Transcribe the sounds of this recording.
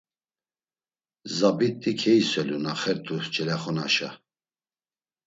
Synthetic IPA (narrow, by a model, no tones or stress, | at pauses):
zabit̪ʼːikʰɛisɛlunaχɛɾd̪ut͡ʃʰʼɛlɛχɔna̰ʃa̰